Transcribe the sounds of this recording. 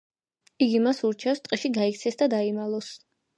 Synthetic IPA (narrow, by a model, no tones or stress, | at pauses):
iɡimasuɾt͡ʃʰɛfst̪ʼqʼiʃiɡaikt̪sʰɛsd̪ad̪aimalˠɔs